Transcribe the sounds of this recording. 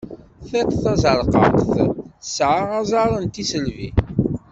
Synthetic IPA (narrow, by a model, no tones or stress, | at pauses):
θæt̪θɑzˤəɾˤqɑ̰qθəsʕaʁazˤɑɾˤənt̪isəlvḭ